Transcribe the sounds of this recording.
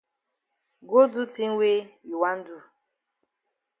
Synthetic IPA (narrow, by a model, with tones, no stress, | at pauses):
ɡo˦du˦ti˦ŋ̩˦we˦i˨wa˦n̩˦du˦˨